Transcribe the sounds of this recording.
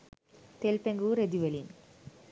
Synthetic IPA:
t̪eːlpeŋɡuɾed̪iʋɐlin

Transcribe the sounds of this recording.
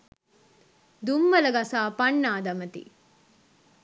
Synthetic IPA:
d̪umːɐlɐɡɐsaːpɐɳːaːd̪ɐmɐt̪ḭ

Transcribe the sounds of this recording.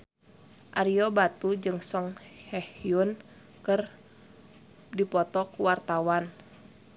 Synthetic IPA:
ʔaɾiɔbat̪ud͡ʒɨŋsɔŋhɛhiun | kɨr | dipɔt̪ɔkuwart̪awan

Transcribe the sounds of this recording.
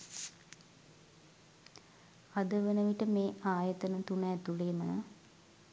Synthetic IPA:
ad̪əʋənəʋiʈəmeːaːjət̪ənət̪unɛːt̪uleːmə̰

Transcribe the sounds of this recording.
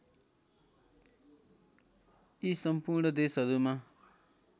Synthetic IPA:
isʌmpuɾnʌd̪esɦʌɾuma

